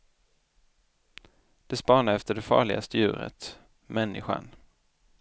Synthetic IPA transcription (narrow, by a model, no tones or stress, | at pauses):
d̪̥ɛspɑːɳaɾɛft̪əɖɛfɑ̰ːɭɪɡast̪əjʉ̟ːɾə̰t̪ | mɛnːɪɧa̰n